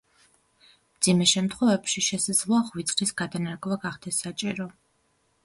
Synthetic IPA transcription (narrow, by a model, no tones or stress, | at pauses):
md̪z̥imɛʃɛmt̪ʰχwɔvɛpʃiʃɛsad̪zlˠɔaχvit̪sʼχʼisɡad̪anaɾkʼvaɡaχd̪̥ɛsːat͡ʃʼiɾɔ